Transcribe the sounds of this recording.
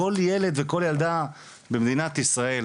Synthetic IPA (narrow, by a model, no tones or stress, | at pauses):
o̞ljele̞d̪veko̞ljald̪a | bemd̪inat̪isʁae̞l